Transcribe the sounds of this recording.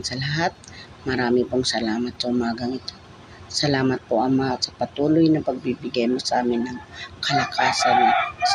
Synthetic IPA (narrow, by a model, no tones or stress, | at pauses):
nsɐlɐɦat̪̚ | mɐɾaːmɪpoŋsɐlaːmɐt̪̚sɐʔʊmaːɡɐŋɪt̪o̞ | sɐlaːmɐt̪̚poʔɐmasɐpɐt̪uːlojnɐpɐɡ̚bibɪɡajmosʔaːmɪnːɐŋkɐlɐkʰaːsɐnːɐ